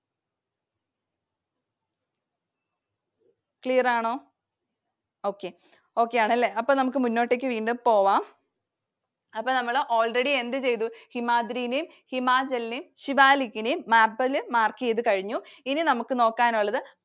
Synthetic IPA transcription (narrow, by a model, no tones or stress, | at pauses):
kɭijɐraːɳo̞ː | o̞ːkːe | o̞ːkːejaːɳɐlːeːɐpːonɐmuk̬ːɨmunːo̞ːʈːek̬ʲːɨʋiːɳɖɨmpo̞ːʋaːm | ɐpːoːnɐmːɐɭʔoːlreɽiend̪ɨt͡ɕe̞jt̪uhimaːd̪ɾiːnejm | himaːd͡ʑɐlnejmɕibaːlikʲːinejmːaːpːɐlɨmaːrkːijeðɨkɐɻiɲːuininɐmukːɨno̞ːkːaːnuɭːɐðɨ